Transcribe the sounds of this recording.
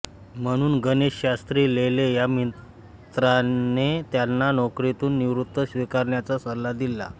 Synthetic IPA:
m̤əɽ̃uːnɡəneɕɕast̪ɾiːlelejami | t̪ɾanet̪janːanɔkɾit̪uːnːiʋɾut̪ːəɕʋikaɾɳjat͡sasəllad̪ilːa̰

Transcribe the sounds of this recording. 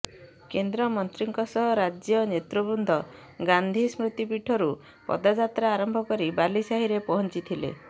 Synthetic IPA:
kend̪ɾɔmɔnt̪ɾiŋkɔsɔɦɔɾad͡ʒjɔnet̪ɾubund̪ʱɔ | ɡand̪ʱismɾut̪ipiʈʰɔɾu | pɔ̰d̪ad͡ʒat̪ɾaːɾɔmbʱɔkɔɾibalisaɦiɾepɔɦɔnt͡ʃit̪ʰilḛ

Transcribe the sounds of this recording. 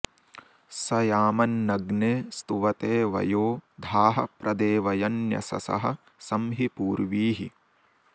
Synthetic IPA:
sɐjaːmɐnːɐɡneːst̪uʋɐt̪eːʋɐ̰joːd̪ʱaːɦɐ̰̆pɾɐd̪eːʋɐjɐnjɐ̰sɐ̰sɐ̰ɦɐ | sɐmɦipuːɾʋiːɦi

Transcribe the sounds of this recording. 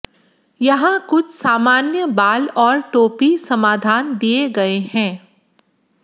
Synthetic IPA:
jɐɦãkʊt͡ʃʰsaːmaːnjəbaːlɔːɾʈoːpisɐmaːd̪ʱaːnd̪ieɡɐehɛ̃ː

